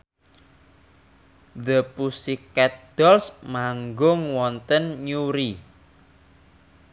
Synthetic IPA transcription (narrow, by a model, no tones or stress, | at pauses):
d̪əpusikːɛt̪̚d̪̥ɔlsmaŋɡʊŋwɔnt̪ənɲuɾi